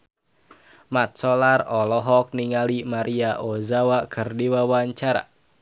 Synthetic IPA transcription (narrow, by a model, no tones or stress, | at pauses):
mat̪̚sɔlarɔlɔɦɔk̚niŋalimaɾʔiaʔozawakʰɨrdiwawaɲt͡ʃaɾa̰